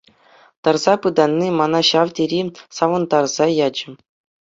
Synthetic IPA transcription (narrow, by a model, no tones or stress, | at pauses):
t̪ɑrzɑpɯd̪ɑnʲːimɑnɑɕɑʋtʲeɾʲisɑʋɤ̆nd̪ɑrz̥ɑjɑd͡ʑɘ̆